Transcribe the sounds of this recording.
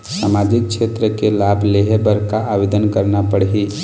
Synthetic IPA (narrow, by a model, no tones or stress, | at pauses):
samad͡ʒik̚kt͡ʃʰet̪ɾəkelabʱleɦebəɾkaʔaʋed̪ənkəɾnapəɽɦi